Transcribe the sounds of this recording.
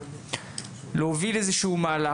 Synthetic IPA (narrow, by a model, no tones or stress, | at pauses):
leovilezeʃiumaːla